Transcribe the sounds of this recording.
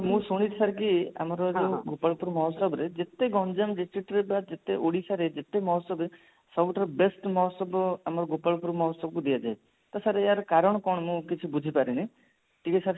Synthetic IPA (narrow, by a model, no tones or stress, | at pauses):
mũsuɽ̃it̪saɾkia̰mɔɾɔẽɡopaɭpuɾmɔɦɔsɔbɾed͡ʒet̪eɡɔnd͡ʒamdisʈɾiʈɾebad͡ʒet̪eʔoɽisaɾed͡ʒet̪emɔɦɔsɔbɾe | sɔbuʈaɾbesʈmɔɦɔsɔbamɔɾɔɡopaɭpuɾmɔɦɔsɔb̚kud̪iad͡ʒaj | t̪ɔsaɾeaɾkaɾɔɽ̃kɔɳ̃mũkit͡ʃʰibud͡ʒʱipaɾini | ʈikisʰaɾ